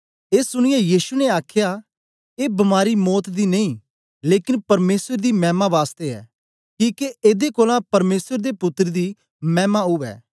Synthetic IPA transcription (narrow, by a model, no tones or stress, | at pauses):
eːsʊɽ̃ɪjɛjiːʃunɛaːkʰjaː | eːbɐmaːɾimɔːt̪d̪iːneĩː | leːkɪnpɐɾmeːsəɾd̪iːmɛːmãːʋaːst̪eɛ̰ː | kĩːkeʔeːd̪ekoːlãːpɐɾmeːsəɾd̪eːpʊt̪ːəɾd̪iː | mɛːmaɦʊʋɛ̰ː